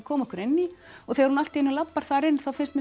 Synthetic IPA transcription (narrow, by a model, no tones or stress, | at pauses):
kʰɔːmɔhkʏɾɛnːiɔɣθɛɣaɾhunalt̪iɛnːʏlapːaɾ̥θaɾɪnθawfɪnst̪mɛ